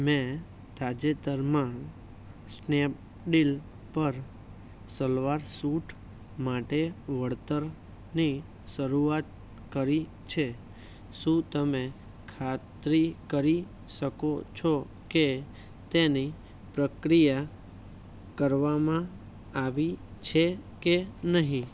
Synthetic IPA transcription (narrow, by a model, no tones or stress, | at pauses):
mẽ | t̪ad͡ʒet̪əɾmã | snep̚ | ɖil | pəɾ | səlʋaɾsuʈʰ | maʈeʋəɽt̪əɾ | ni | ʃəɾuat̪̚ | kəɾi | t͡ʃʰe | ʃũt̪əme | kʰat̪ɾikəɾi | ʃəkot͡ʃʰo | ke | t̪eni | pɾəkɾija | kəɾʋamã | aʋit͡ʃʰekenəɦĩ